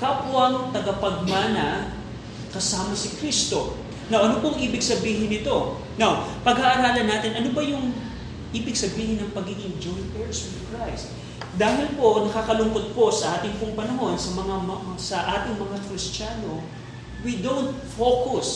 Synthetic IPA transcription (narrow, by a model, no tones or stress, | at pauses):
kapʊaŋoŋt̪ɐɡɐpɐɡ̚manɐ | kɐsaːmɐsɪkɾist̪o̞ | nawʔɐnopoŋʔiːbɪɡsɐbiːɦɪnɪt̪o̞ | nawpɐɡaːʔɐɾaːlɐnːaːt̪ɪnʔɐnobɐjʊŋ | ʔiːbɪɡsɐbiːhɪnːɐŋpɐɡiːɡɪŋd͡ʒojnt̪̚ʔɛɹswɪðkɹajst̪̚ | d̪aːɦɪlpo̞nɐkaːkɐlʊŋkot̪̚ko̞sɐʔaːt̪ɪŋpʊŋpɐnɐɦo̞nsɐmɐŋamsɐʔaːt̪ɪŋmɐŋakɾɪstt͡ʃaːno̞ | wid̪ownt̪̚fokʊs